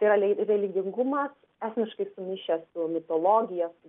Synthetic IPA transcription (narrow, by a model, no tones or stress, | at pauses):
t̪ɐɪiɾɐlʲɛrʲɛlʲɪɡʲɪŋɡumɐs | æːsʲmʲɪʃkɐɪsʊmʲɪːʃʲɛsʊmʲɪt̪oːlˠoːɡʲɪjɛsʊ